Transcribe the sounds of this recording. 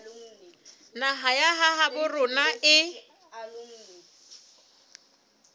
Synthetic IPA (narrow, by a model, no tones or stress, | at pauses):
naɦajaɦaɦabʊrʊnaʔɪ